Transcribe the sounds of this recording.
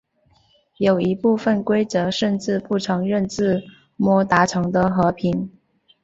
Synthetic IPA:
jo˨˩ʊi˧˥pu˥˧fə˥˨˩nkwe˥ɪt͡sɤ˧˥ʂə˥˧nʈ͡ʂɻ̩˥˧pu˥˩ʈ͡ʂʰɤ˧˥ŋɻə˥˧nʈ͡ʂɻ̩˥˩˧ | mwɔ˥t̪a˧˥ʈ͡ʂʰɤ˧˥ŋd̪ə˧xɤ˧˥pʰi˧˥n

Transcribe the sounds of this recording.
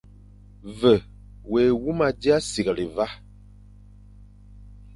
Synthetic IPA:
və˨ | we˨wu˦ma˨di˦a˦si˨ɣa˨li˨va˦

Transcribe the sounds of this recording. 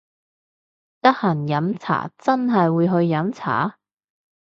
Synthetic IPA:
t̪ɐ˥k̚hɐ˨˩njɐ˨˥mt͡sʰa̰ː˨˩t͡sɐ˥nɦɐ˨jwuː˨˧jɦɵ˧ɥjɐ˨˥mt͡sʰa̰ː˨˥

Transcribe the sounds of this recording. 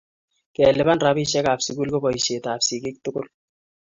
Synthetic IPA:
kɛ˨le˨ba˦nra˦bi˦ʃɛ˦kaː˨psu˨ku˦lko˦bɔ˨i˨ʃe˨taː˨psi˨kɪ˦k̚tʊ˦kʊ˦l

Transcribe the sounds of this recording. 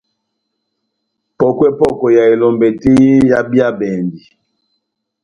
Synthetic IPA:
pɔ˦˨kwɛ˦pɔ˦kɔ˨ja˨e˨lɔ˨mbe˨ti˦i˦ja˦bi˦a˦bɛ˨ndi˨

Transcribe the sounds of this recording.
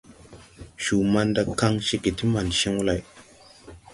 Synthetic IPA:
ʃu˨ma˧nda˧˨ka˧ŋʃe˧ki˨ti˦ma˨nʃe˦ŋwu˦la˨j

